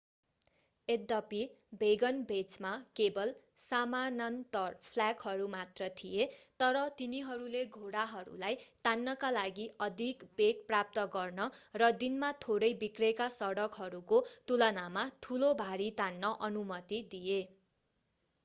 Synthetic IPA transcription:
ed̪ʌpi | bʱeɡʌnbʱet͡smakebʌl | samanʌnt̪ʌrpʰlakhʌɾumat̪rʌt̪ʰijet̪ʌɾʌt̪iniɦʌɾuleɡʱoɽaɦʌɾṵlajt̪anːʌkalaɡiʔʌd̪ʱikbekprap̚t̪ʌɡʌrnʌrʌd̪inmat̪ʰoɾʌjbikrekasʌɽʌkɦʌɾukot̪ulʌnamaʈʰulobʱaɽit̪anːʌʔʌnumʌt̪id̪ije

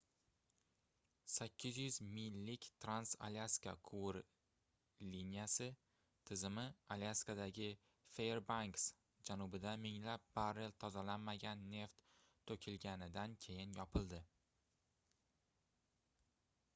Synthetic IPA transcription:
sakʲːɪzjʏzmɪjlːɪkʲt̪ʰɾansa̰lʲaskakʰuɾ | linʲjasɪ | t̪ʰɪzɪmɪaljaskad̪aɡʲɪ | feɾbaŋks | d͡ʒanʊbɪd̪amɪŋlap̚baɾelt̪ʰɒzalanmaɡʲanːe̞ft̪ʰː | ɵkʲʰɪlɡʲanɪd̪ankʲʰe̞jɪnjɒpʰɪlˠd̪ɪ

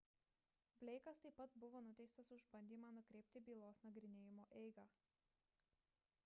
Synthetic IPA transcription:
bʲlʲɛɪkɐst̪ɐɪpːɐt̪bʊʋoːnʊt̪ʲɛɪst̪ɐsʊʒbɐnʲd̪ʲiːmɑːnʊkɾʲeːpʲt̪ʲɪbʲiːlˠoːsnɐɡɾʲɪnʲeːjɪmoːʔɛɪɡɑː

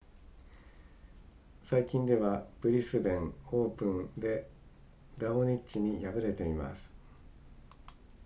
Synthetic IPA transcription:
saikʲĩnd̪e̞β̞ab̥ɯ̟ɾʲisɨbẽ̞ŋo̞ːpɯ̃nd̪e̞ | d̪aoɲ̟it͡ɕiɲ̟ijabɯ̟ɾe̞t̪e̞ima̰sɨ̥

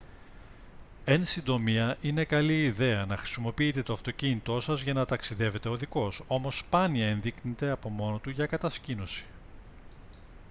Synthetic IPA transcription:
e̞nsind̪o̞miɐʔine̞kɐliːðe̞ɐnɐxɾi̥simo̞piit̪e̞t̪o̞ɐft̪o̞cinit̪o̞sɐzʝɐnɐt̪ɐksiðe̞ve̞t̪e̞o̞ðiko̞so̞mo̞spɐniɐe̞nðiknet̪e̞ɐpo̞mo̞no̞t̪uʝɐkɐt̪ɐscino̞si̥

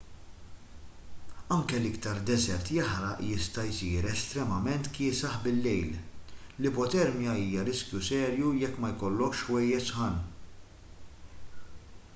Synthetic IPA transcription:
ɐŋkɛlɪkt̪ɐɾd̪ɛzɛɾt̪jɐħɾɐʔjɪst̪ɐjsiːɾɛst̪ɾɛmɐmɛnt̪kɪːsɐħbɪlːɛjllɪpɔt̪ɛɾmjɐiːjɐɾɪskjusɛːɾjujɛkːmɐjkɔlːɔkʃwɛjːɛʃħɐn

